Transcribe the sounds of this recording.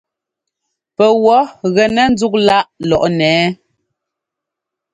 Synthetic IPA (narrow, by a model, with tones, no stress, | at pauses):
pɛ˨wɔ˨˦ɣɛ˨nɛ˨n̩˦d͡zu˦k̚la˦ʔlɔ˨ʔnɛː˨˦